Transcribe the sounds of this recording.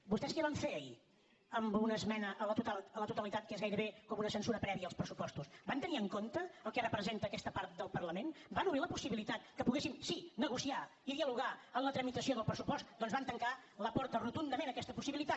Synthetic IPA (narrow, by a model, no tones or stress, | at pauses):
bust̪ɛskɛβaɱfeəḭ | əmbunəzmɛnəʔələt̪ut̪alələt̪ut̪əlit̪at̪̚kezɣajɾəβekɔmunəsənsuɾəpɾɛβiəːlˠspɾəsupɔst̪usbant̪əniəŋkont̪əəlˠkɛrəpɾəzent̪əːkɛst̪əpaɾt̪̚d̪əlˠpərləmenbanuβɾiləpusiβilit̪at̪kəpuɣesimsinəɣusia | iðiəluɣ̞aənlət̪ɾəmit̪əsioðəlˠpɾəsupɔst̪d̪ɔnzβant̪əŋkaləpɔɾt̪ərut̪und̪əmẽnəkɛst̪əpusiβilit̪at̪